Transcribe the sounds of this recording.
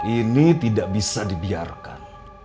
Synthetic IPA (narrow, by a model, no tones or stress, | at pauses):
init̪idaʔbisadibiarka̰n